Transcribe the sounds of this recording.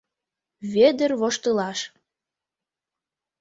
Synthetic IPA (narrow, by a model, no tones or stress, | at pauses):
βed̪ərβoʃt̪ɤlɑʃ